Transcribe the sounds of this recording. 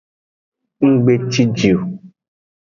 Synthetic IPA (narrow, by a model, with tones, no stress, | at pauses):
ŋ̩˦ɡ͡be˦t͡ʃi˦d͡ʒi˨o˨